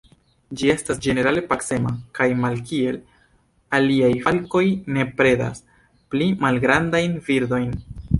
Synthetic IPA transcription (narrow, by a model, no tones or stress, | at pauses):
d͡ʒie̞stasd͡ʒe̞ne̞ɾale̞pakse̞ma̰kajmalkie̞l | aliajhalko̞jne̞pɾe̞da̰s | plimalɡɾandajnviɾdo̞jn